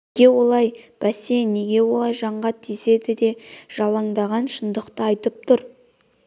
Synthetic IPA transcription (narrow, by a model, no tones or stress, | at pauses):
ɡʲe̞wo̞lˠɑjb̥æse̞nːe̞ɡʲe̞wo̞lˠɑjʒɑɴʁɑt̪ʰise̞d̪ɪd̪e̞ʒ̥ɑlˠɑŋd̪ɑʁɑnʃənd̪əqt̪əɑjt̪əp̚t̪ʰʊɾ